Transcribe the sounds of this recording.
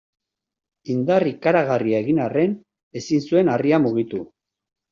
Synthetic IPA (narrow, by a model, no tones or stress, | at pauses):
ind̪arikaɾaɣ̞ariaɣinare̞n | e̞sinsue̞nariamuɣ̞it̪u